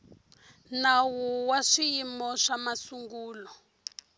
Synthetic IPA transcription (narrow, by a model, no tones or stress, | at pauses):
nawuwaʂijimbɔʂamasuŋɡuːlɔ